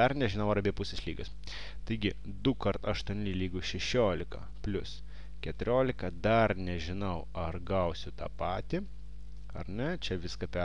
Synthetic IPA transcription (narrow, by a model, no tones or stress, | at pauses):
ɐɾnʲɛʒʲɪnɐʊɐɾɐbʲiɛpʊsʲɛslʲiːɡɐs | t̪ɐɪɡʲɪ | d̪ʊkɐɾt̪ɐʃt̪uɔnʲɪlʲiːɡʊʃʲɛʃʲoːlʲɪkɐ̰ | pʲlʲʊs | kʲɛt̪ʊɾʲoːlʲɪkɐd̪ɐɾnʲɛʒʲɪnɐʊɐɾɡɐʊsʲʊt̪ɑ̰ːpɑːt̪ʲi | ɐɾnʲɛt͡ʃʲɛʋʲɪskɐpʲɛ